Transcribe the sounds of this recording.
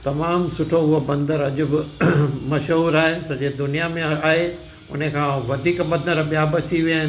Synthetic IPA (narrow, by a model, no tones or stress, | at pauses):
t̪ɐmaːmsʊʈʰoɦʊɦobɐ̃nd̪əɾɐʄʊbɪmɐʃɦuːɾaːɦesɐd͡ʑed̪ʊnijamẽɐaːɦe | ʊ̰n̤ekʰãːʋɐd̪ʱiːkbɐ̃d̪əɾɓijabɐt͡ɕʰiʋiaːɦɪn